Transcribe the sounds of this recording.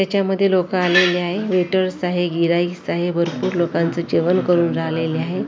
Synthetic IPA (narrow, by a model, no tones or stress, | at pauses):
t̪jat͡ɕjaməd̪ʱːjelokəaleleaɦeʋeʈəɾsaɦeɡiɾaisaɦebʱəɾpuːɾlokãnt͡səd͡ʑeʋənkəɾuːnɾaɦleleaɦe